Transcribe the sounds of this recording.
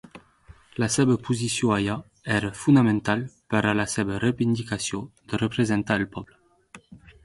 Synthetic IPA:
lasɛbəpʰuzisjɔ̃aja | ɛɾəfund̪amɛ̃nt̪alpaɾalasɛbərevind̪ikasjɔ̃d̪̥ərəpɾezɛ̃nt̪aɛlpɔblə

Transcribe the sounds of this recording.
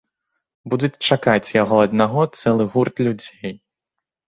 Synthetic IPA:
bud̪ut͡sʲt͡ʂakat͡sʲjaɣɔɐd̪̚naɣɔt̪sɛlˠɨɣurt̪lʲud͡zʲej

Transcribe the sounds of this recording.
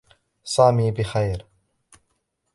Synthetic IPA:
sˤaːmiːbɪxajɾ

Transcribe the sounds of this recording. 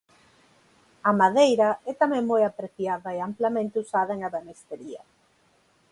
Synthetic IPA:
ɐmaðejɾɐɛt̪amɛ̃ŋmojapɾeθjaðɐeamplɐmẽnt̪ɪusaðɐeŋaβemest̪eɾiɐ̰

